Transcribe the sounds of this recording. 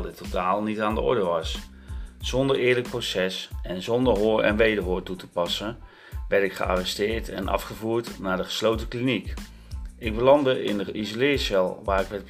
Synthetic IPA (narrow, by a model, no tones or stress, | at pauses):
lˠdɪtːotaːlˠnitaːndəʔɔ̰ɹdəʋɑs | z̥ɔndəɹɪːɹlək̚prosɛsɛnzɔndəɹɦʊːɹɛ̰nʋejdəɹɦʊːɹtutəpɑsən | ʋɛɹtɪkχə̰a̰rɛstɪːɹtɛ̰nʔɑ̰fχəvuːɹtnaːɹdəχə̥slowtəklinik | ɪɡ̚bəlɑndəʔɪ̰ndəʔizolɪːɹsɛlˠʋaːɹɪkʋɛɹt